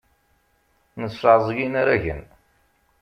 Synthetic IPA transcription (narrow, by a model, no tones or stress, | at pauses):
nəsʕzˤɡinaɾæʝə̰n